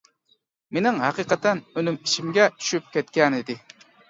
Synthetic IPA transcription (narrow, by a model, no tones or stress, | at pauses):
menɪŋɦæqiqɑt̪ɛnønymiʃimɡʲɛt̪ʰy̥ʃyp̚kʲʰɛt̪kʲɛnɪd̪ɪ